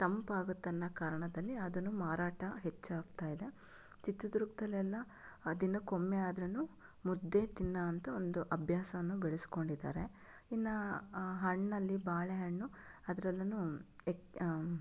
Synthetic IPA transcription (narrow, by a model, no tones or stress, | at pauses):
t̪ɐmpaːɡut̪ːɐnːɐkaːɾɐɳɐd̪ɐlːiɐd̪ɐnːumaːɾaːʈɐɦet͡ʃːaːɡt̪aːjid̪e̞ | t͡ʃit̪ːud̪uɾukt̪ɐlɛlːɐ | d̪inːɐkomːeaːd̪ɾɐnːu | mud̪ːet̪inːɐːnt̪ɐo̞nd̪uʔɐbʱjaːsɐʋɐnːubɛɭesi̥ko̞ɳɖid̪a̰ːɾe | inːɐɦɐɳːɐlːibaːɭeɦɐɳːuɐd̪ɐɾɛlːɐnuek